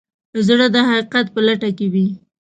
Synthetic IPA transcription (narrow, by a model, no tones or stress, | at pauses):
zɽəd̪əɦaqiqat̪̚pəlaʈakewi